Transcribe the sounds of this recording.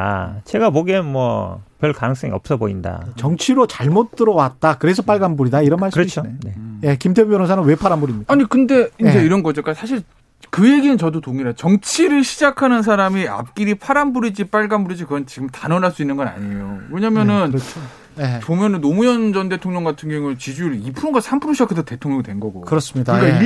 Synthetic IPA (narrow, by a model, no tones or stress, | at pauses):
at͡ɕʰe̞ɡaboɡenmwʌ̰pjʌɭkanɯŋs͈ʌŋḭʌp̚s͈ʌboinda̰t͡ɕʌŋt͡ɕʰiɾot͡ɕaɭmot͈̚ɯɾʌwat̚t͈akɯɾe̞s̬ʰʌp͈aɭɡambuɾidaiɾʌnmaɭskɯɾʌt͡ɕʰoeneje̞kimtʰepʰumjʌnonsʰanɯnwe̞pʰaɾambuɾimɲidaaɲikɯnde̞ind͡ʑe̞iɾʌnɡʌd͡ʑik͈asʰaɕ̬ʰiɭ | kɯje̞ɡinɯnt͡ɕʌdotoŋiɾat͡ɕʌŋt͡ɕʰiɾɯɭɕʰid͡ʑakʰanɯns̬ʰaɾamia̰p̚k͈iɾipʰaɾambuɾid͡ʑip͈aɭɡambuɾid͡ʑikɯɡʌnt͡ɕiɡɯmtanʌnaɭs͈uinːɯnɡʌna̰ɲijoweɲamjʌnɯnɾʌt͡ɕʰo | jet͡ɕomjʌnɯnːomujʌnd͡ʑʌnde̞tʰoŋɲʌŋɡatʰɯnɡjʌŋut͡ɕid͡ʑuɾipʰuŋɡasʰampʰuɾoɕʰiakʰes̬ʰote̞tʰoŋɲʌŋidwe̞nɡʌɡo̰kɯɾʌs͈ɯmɲidaka